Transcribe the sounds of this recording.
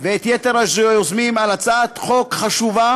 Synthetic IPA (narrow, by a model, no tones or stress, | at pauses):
veet̪jet̪eʁaʃejozmimalat͡saːt̪χo̞kχaʃuva